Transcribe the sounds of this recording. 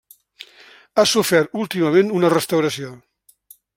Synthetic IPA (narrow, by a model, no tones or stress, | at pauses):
asufɛɾt̪ulˠt̪iməmenunərəst̪əwɾəsio